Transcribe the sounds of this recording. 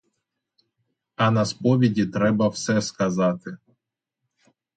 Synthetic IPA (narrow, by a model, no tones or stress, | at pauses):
ɐnɐspɔʋʲidʲit̪ɾɛbɐwsɛskɐzɑt̪ɪ